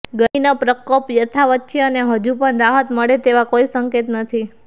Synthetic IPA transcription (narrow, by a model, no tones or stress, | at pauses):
ɡəinapɾəkopjət̪ʰaʋət̪̚ːt͡ʃʰeəneɦəd͡ʒupəɳɾaɦət̪məɭet̪eʋakoisəŋket̪nət̪ʰi